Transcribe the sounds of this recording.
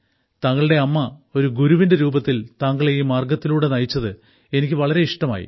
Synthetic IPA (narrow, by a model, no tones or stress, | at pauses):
t̪ɐŋːɐɭɨɽe̞ɐmːɐo̞ɾuɡuɾuʋindeɾuːbɐt̪ːilt̪aːŋɡɐɭejumːaːrɡɐt̪ːiluːɽe̞nɐjt͡ɕːɐðɨ | e̞nikʲːɨʋɐɭɐɾe̞iʂʈɐma̰ːjḭ